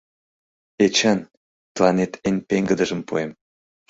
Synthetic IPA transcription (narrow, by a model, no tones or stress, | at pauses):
et͡ɕɑn | t̪əlɑnet̪ʰenʲpeŋɡəd̪əʒə̆mpo̰em